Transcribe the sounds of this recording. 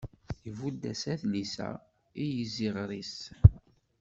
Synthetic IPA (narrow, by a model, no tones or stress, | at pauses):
jəvud̪ːæsæθlisæ̰ | ijəziʁɾis